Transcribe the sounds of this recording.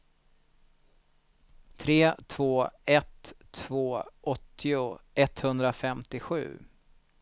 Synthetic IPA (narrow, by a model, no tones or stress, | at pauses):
t̪ʰɾeːt̪ʰv̥oːɛt̪ʰːvoːʔɔt̪ːɪʊʔɛt̪hɵnd̪ɾafɛmt̪ɪɧʉ̟̰ː